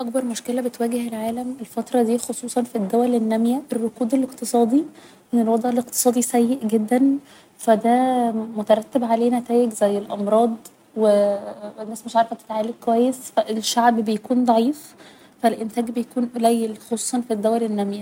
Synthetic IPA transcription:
ʔɑkbɑɾˤmoʃkelæbet̪wæːɡeɦelʕaːlæmelfɑt̪ɾˤɑd̪iːxosˤuːsˤɑnfid̪ːæwælenːæmjæʔerːokuːd̪eleqt̪esˤɑːd̪ˤi | menelwɑd̪ˤʕeleqt̪e̥sˤɑːd̪ˤisæjːeʔɡed̪ːæn | fæd̪æmot̪æɾˤɑt̪ːebʕaleːnæt̪æːjeɡzæjːelʔɑmɾˤɑːd̪ˤ | wenːæːsmeʃʕɑɾˤfæt̪ːet̪ʕaːlekkːowæjːesfæʔelʃaʕbbejækuːnd̪ˤɑʕiːf | fælʔent̪æːɡbejækuːnʔlæjːelxosˤuːsˤɑnfid̪ːæwælenːæmjæ

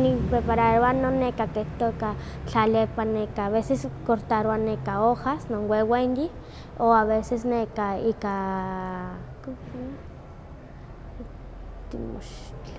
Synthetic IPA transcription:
nipɾepaɾaɾoanonːekakeht̪oka | t͡ɬalepanekaːβeseskoɾt̪aɾoanekaohasnonwewenji | oaβesesnekaika | kok | t̪ḭmo̰ʃt͡ɬ

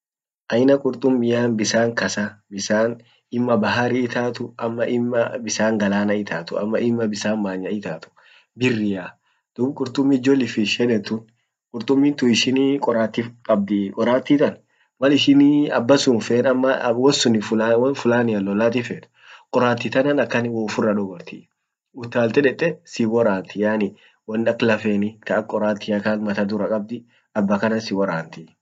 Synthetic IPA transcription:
ʔɐjnɐkʼʊɾt̪ʼʊmːɪjaːnbɪsaːŋkɐsabɪsaːn | ɪmːɐbɐɦaɾɪːt̪ʰaːt̪ʊɐmːɐʔɪmːɐbɪsaːŋɡɐlaːnɐɪt̪ʰaːt̪ʊ̰ɐ̰mːɐɪmːɐbɪsaːnmaːɲːɐɪt̪aːt̪ʊ̥ | bɪrːɪja | d̪̥ʊkʼʊɾt̪ʼʊmːɪd͡ʒɔlɪfɪʃɛᶑɛt̪ʊn | kʼʊɾt̪ʼʊmːɪːnt̪ʊɪʃɪnikʼɔɾaːt̪ːɪkʼɐb̚d̪ɪkʼɔɾaːt̪ːɪt̪ɐn | mɐlɪʃɪnːɐbːɐsʊnfeːnɐmːɐwɔsʊnɪfʊwfʊlaːnɪɐlɔlaːt̪̬ɪfɛːt̪ | kʼɔɾaːt̪ːɪt̪ɐnɐnɐkːɐnɪwɔʊfʊrːɐᶑɔɡɐɾt̪ɪ̰ | ʊt̪ːaːlt̪ɛᶑɛt̪ʼːɛsɪwɔɾaːnt̪ɪjaːnɪ | wɐnɐklɐfeːnɪt̪ɐʔɐkʼɔɾaːt̪ːɪjɐkanmɐt̪ɐd̪ʊɾɐkʼɐb̚d̪ɪ | ɐbːɐkɐnɐnsɪwɔɾaːnt̪ɪ

